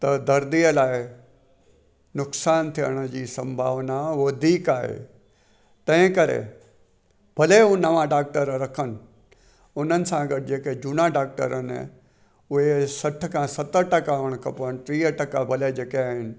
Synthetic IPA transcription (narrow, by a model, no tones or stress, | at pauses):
t̪ɐd̪ɐɾd̪ijəlaːɪ | nʊksaːnt̪ʰijə̰ɽ̃əd͡ʑiːsɐ̃mbʱaːʋnaʋɐd̪ʱiːkaːɦḛ | t̪ɐ̃ɦɪ̃kɐɾḛ | bʱɐleʊ̃nɐʋãɖaːk̚ʈəɾɾɐkʰənɪ | ʊnənɪ̆sãɡɐʈ̚d͡ʑeːked͡ʑʊnaɖaːk̚ʈə̰ɾən̰ | ʊɦesɐʈʰkʰãsɐt̪əɾʈɐkaʊɽ̃kʰɐpənʈɾiːəʈɐkabʱɐled͡ʑeːkeaːɦɪnɪ̆